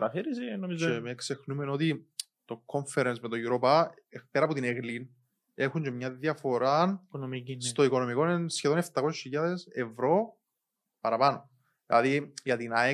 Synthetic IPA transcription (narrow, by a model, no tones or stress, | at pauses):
ɾɐθiɾisinomiemekse̞xnumeno̞t̪i | t̪o̞ko̞ɱfeɾensme̞t̪o̞iuɾo̞pɐ | peɾɐpot̪ineɣlin | e̞xuɲd͡ʒe̞mɲɐðjɐfo̞ɾɐnst̪o̞iko̞no̞miko̞nensçeðone̞ft̪ɐkosesçiʎɐðese̞vɾo̞ | pɐɾɐpɐno̞ | ðilɐðijɐt̪inɐe